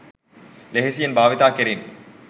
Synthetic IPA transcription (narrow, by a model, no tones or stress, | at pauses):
leɦesijenbʱaːʋit̪aːkeɾin